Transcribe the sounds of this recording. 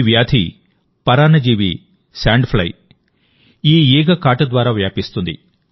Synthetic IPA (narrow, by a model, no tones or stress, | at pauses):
ʋjaːd̪ʱḭ | pɐɾaːnɐd͡ʒiːʋḭ | saːɳɖpʰlɐ̰j | iːɛːɡɐkaːʈɐd̪ʋaːɾaːʋjaːpist̪und̪ḭ